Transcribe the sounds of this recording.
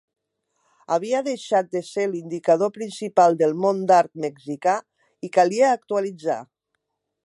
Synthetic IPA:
aβiaðeʃat̪̚d̪eselind̪ikað̞opɾinsipalˠd̪elˠmond̪aɾt̪̚meɡzika | ikaliaːk̚t̪ualid͡za̰

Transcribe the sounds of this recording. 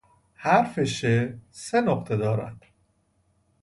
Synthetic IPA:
hæɾfeʃesenoqt̪ʰed̪ɒːɾæ̰nd̪̥

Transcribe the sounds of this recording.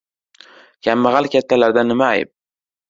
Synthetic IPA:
kʲʰamːaʁalkʲat̪ːalaɾd̪anɪmaːjɪ̰p̚

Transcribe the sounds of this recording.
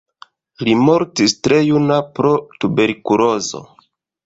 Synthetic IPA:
limo̞ɾtistɾe̞junapɾo̞tube̞ɾkuɾo̞zo̞̰

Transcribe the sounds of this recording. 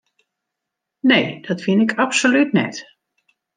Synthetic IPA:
nejd̥ɔtfɪnɪkapsolytnɛ̰t

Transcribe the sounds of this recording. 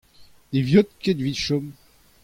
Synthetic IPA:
d̪̥evjɔt̪̚ked̪viʃɔm

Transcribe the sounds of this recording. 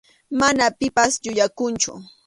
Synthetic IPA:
manapɪpasʎʊʎakʊnt͡ʃʊ̰

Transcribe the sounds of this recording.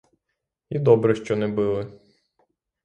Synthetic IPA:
id̪ɔbɾɛʃt͡ʃɔnɛbɪlˠɪ

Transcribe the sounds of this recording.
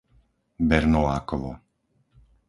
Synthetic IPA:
bɛɾnɔlaːkɔʋɔ̰

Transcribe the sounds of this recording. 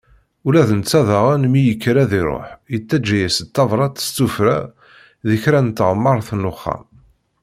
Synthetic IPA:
ulæðənt͡sːæðɑʁænmijəkːɾæðiɾˤo̰ħjət͡s̪ːæd͡ʒːæjæsət̪ːɑvɾˤɑt̪ə̥st͡s̪ːufɾæ̰ | ðəçɾænt̪ːəʁmːəɾˤθnʊχːɑ̰m

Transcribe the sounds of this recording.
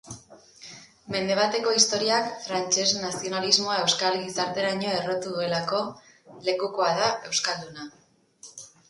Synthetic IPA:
me̞nd̪e̞β̞at̪e̞ko̞ist̪o̞ɾiakfɾant͡ʃe̞znasio̞nalizmo̞ae̞wskalɡisaɾt̪e̞ɾaɲo̞e̞ro̞t̪uðue̞lako̞ | le̞kuko̞aðae̞wskald̪una

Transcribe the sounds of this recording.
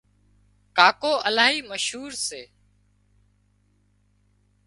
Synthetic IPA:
kaːkoːʔəlaːɦiːməʃɦuːɾseː

